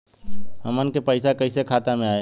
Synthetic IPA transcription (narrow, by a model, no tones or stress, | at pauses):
həmənkepəɪsakəisekʰaːt̪amẽaːe